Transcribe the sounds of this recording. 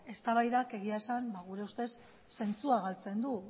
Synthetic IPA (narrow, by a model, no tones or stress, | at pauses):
e̞st̪aβajðake̞ɣ̞iaesambaɣ̞uɾe̞ust̪e̞sː | e̞nt͡suaɣalt͡se̞nd̪u